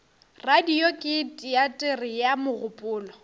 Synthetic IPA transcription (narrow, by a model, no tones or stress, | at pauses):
radiokʼɪtʼiatʼerɪjamʊɣʊpʼʊːlɔ